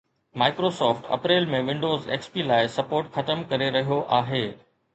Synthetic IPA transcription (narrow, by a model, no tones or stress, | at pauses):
maːɪkɾosɔːfʈɐ̰pɾeːlmẽʋɪ̃ɳɖoːzḛːkspilaːɪsɐpoːɾʈxɐt̪əmkɐɾeɾɐɦijoʔaːɦeː